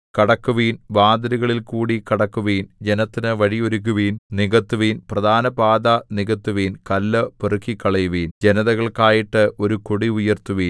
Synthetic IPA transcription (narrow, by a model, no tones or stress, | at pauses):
kɐɽɐkːuʋiːnbaːd̪ɐɾiɣɐɭilkuːɽikɐɽɐkːuʋiːnd͡ʑe̞nɐt̪ːinɨʋɐɻioɾukːuʋiːnniɣɐt̪ːuʋiːnprɐd̪ʱaːnɐbaːd̪ɐniɣɐt̪ːuʋiːnkɐlːɨperɨkʰːikːɐɭɐjʋiːnd͡ʑenɐðɐɣɐɭkaːjiʈːɨʔo̞ɾukoɽiujɐrt̪uʋiːn